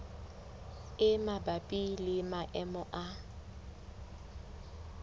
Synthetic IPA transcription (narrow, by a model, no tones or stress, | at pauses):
ɪmabapʼilɪmaʔɛmʊʔa